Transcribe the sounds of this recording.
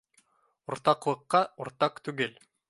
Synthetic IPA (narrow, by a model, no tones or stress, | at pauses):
ŏɾt̪ɑqlˠɤ̆qːɑŏɾt̪ɑqt̪ʉɡɘl